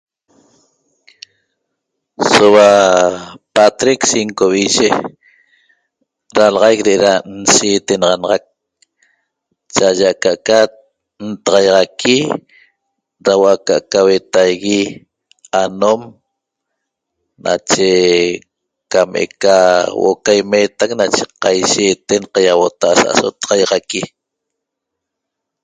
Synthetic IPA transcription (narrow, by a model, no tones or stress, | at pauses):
sowa | pat̪ɾiksiŋkoβiʒe | ɾalɑʁɑjk̚deʔeɾan̩siːt̪enɑʁɑnɑʁɑk̚ | t͡ʃaʒaʔkaʔka | nt̪ɑʁɑjʁɑkʰi | ɾawʔakaʔkawet̪ajɣi | anom | nʔa̰t͡ʃe | kamʔḛkawo̰ʔokajmeːt̪ak̚nat͡ʃeqɑjʃeːt̪enqɑjawot̪aʔasa̰ʔasot̪ɑ̥ʁɑjʁɑki